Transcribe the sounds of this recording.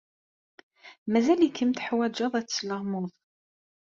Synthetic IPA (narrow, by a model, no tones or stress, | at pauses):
mæzælikʰːəmt̪ħwæd͡ʒɑðˤæt͡sːləʁmʊðˤ